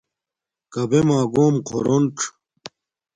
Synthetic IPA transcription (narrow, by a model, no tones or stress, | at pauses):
kɐbemaːɡoːmqʰoɾoɳʈ͡ʂʰ